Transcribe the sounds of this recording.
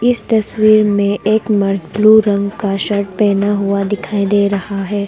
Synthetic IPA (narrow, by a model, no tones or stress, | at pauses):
ɪst̪ɐswiːɾmẽʔeːkmɐɾd͡ʒbluːɾɐ̃ŋɡkaʃɐɾʈ̚pɛːnaɦʊad̪ɪkʰaːid̪eːɾɐhaɦɛː